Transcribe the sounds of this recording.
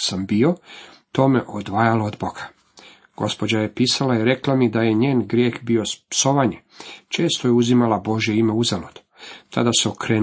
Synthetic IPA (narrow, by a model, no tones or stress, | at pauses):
sambio̞t̪o̞ːmeʔod̪ʋaːjalaod̪boɡ̥ḁ | ɡ̥o̞spo̞d͡ʑaje̞piːsalaiɾeklamid̪aje̞ɲe̞ːnɡɾje̞ːxbio̞spso̞ʋaɲe̞ | t͡ʃe̞ːst̪o̞jeuzimalabo̞ʒje̞ime̞uzalod̪̥u̥t̪ʰa̰d̪aseokɾeː